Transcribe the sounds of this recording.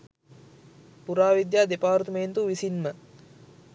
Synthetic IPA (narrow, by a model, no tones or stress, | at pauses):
puɾaːʋid̪jaːd̪epaːrt̪əment̪uʋisinmə